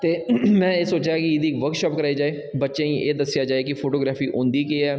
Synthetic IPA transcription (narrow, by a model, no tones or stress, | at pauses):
t̪eːmɛ̃ːeːsoːt͡ʃaaːkɪɪd̪iːkʋəɾkʃɔːp̚kəɾaːid͡ʒaːeː | bətːʃeːĩʔeːd̪əsːɪjaːd͡ʒaːeːkɪpʰoːʈoːɡɾaːfʰiːʔʊ̃nd̪iːkiːɛː